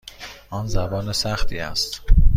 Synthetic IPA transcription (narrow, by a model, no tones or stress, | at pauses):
ʔɒːnzæbɒːnesæxt̪ʰiːæ̰st̪